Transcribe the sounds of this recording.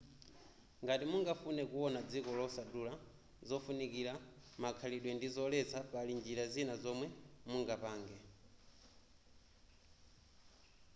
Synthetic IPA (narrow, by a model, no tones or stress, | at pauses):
ŋɡatimuŋɡafunɛkuwɔnad͡zikɔlɔsadula | zɔfunikiɾa | makʰaliɗwɛndizɔlɛt͡sʰapalind͡ʒilazinazɔmwɛmuŋɡapaːŋɡɛ